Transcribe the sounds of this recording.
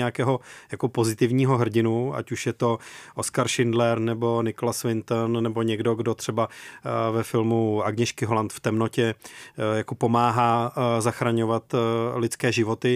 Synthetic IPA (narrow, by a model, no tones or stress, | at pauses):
ɛakɛːɦo̞jako̞po̞zɪt̪ɪvɲiːɦo̞ɦr̩ɟɪnua̰cuʃjɛt̪o̞ʔoskaɾʃɪndlɛɾnɛbo̞nɪkolasvɪnt̪nːɛbo̞ɲɛɡdo̞ɡdo̞t̪r̝̥ɛbavɛfɪlmuʔaɡɲɛʃkɪɦolant̪ft̪ɛmno̞cɛjako̞po̞maːɦaːzaxɾaɲo̞vat̪lɪt̪t͡skɛːʒɪvo̞t̪ɪ